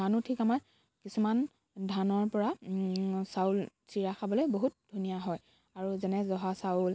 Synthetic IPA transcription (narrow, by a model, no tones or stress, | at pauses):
anutʰikamaɹ | kisuman | dʱanɔɹpɔɹa | sawlsiɹaxʰabɔlojboɦut̚dʱunijaɦɔj | aɹuzɛnɛzɔɦasaul